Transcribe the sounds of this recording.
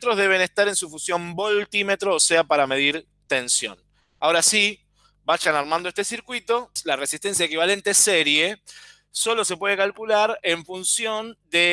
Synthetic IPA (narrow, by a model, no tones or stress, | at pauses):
t̪ɾo̞ɦðe̞β̞e̞nest̪aɾe̞nsufusjo̞mbo̞lt̪ime̞t̪ɾoːseapaɾame̞ð̞iɾ | t̪e̞nsjo̞̰n | ao̞ɾasi | baʃanaɾmãnd̪oet̪e̞siɾkwit̪o̞lare̞sist̪e̞ns̬jaekiβale̞nt̪ese̞ɾje̞ | so̞lo̞se̞pweðe̞kalkulaɾe̞ɱfunsjo̞nd̪e